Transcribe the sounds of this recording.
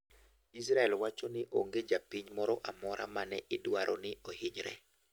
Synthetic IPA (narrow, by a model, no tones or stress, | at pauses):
is̬ɾaɛlwat͡ʃonɪʔoŋɡed͡ʒapiɲmɔɾɔʔamɔɾʔa̰manɛʔɪdwaɾʔɔnɪohɪɲɾɛ̰